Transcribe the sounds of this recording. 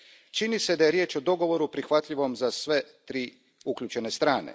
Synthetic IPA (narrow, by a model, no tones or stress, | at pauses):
t͡ʃinise̞d̪ajeɾje̞ːt͡ʃo̞d̪o̞ɡo̞ʋo̞ɾupɾixʋat̪ʎiʋo̞mzasʋe̞t̪ɾiː | ukʎʲut͡ʃe̞nest̪ɾaːnḛ